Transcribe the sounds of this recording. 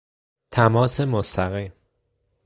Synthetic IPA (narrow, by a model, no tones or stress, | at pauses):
t̪ʰæmɒːse̞most̪æɣiːm